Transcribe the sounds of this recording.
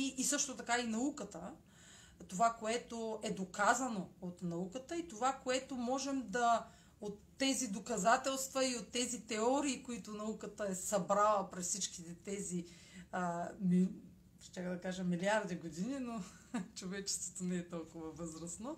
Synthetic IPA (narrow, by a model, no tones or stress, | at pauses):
iʔːsɤʃt̪ot̪ɐkainɐukət̪ə | t̪ovakoɛt̪oɛd̪okazɐnoot̪nɐukət̪əit̪ovakoɛt̪omɔʒɛmd̪ɐ | ot̪ːɛzid̪okɐzat̪ɛlˠst̪vɐiot̪ːɛzit̪ɛɔɾiːkoit̪ʊnɐukət̪əɛsɐbɾalˠəpɾɛssit͡ʃkit̪ɛt̪ɛzi | əmi | ʃt̪ʲakd̪ɐkaʒɐmːiliaɾd̪iɡod̪inino | t͡ʃovɛt͡ʃɛ̥st̪vot̪onɛɛt̪ɔlˠkʊvɐvɤzɾɐsno